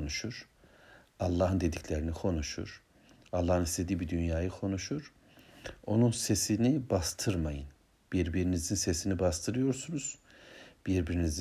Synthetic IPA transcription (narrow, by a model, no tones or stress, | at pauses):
nuʃuɾ̥ | alˠːaːɦɯnd̪e̞d̪icʰlʲeɾinikʰo̞nuʃṵɾ̥ | alˠːaːhɯnist̪ʰʲe̞d̪iːbid̪ynjaːjɯkʰo̞nuʃuɾ̥ | o̞nunse̞sinibast̪ʰɯɾmajɯn | b̥iɾbiɾinizinse̞sinibast̪ʰɯɾɯjo̞ɾsunuz̥ | b̥iɾbiɾiniz